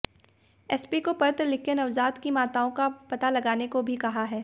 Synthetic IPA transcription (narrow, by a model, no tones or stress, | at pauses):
ɛspikopɐɾt̪ɾlɪkenɐʋzaːd̪kimaːt̪aõkapɐt̪alɐɡaːnekobʱikɐɦaɦɛː